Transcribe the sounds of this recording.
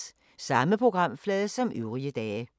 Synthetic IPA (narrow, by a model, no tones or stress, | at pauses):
sɑ̈məpʰʁo̝ɡ̥ʁɑ̈m̰flɛːðˠsɒ̽mʔøʊʁiəd̥ɛː